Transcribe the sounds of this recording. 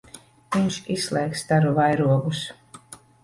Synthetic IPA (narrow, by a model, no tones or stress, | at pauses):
viɲʃislˠɛjkst̪aɾuvajɾuɔɡus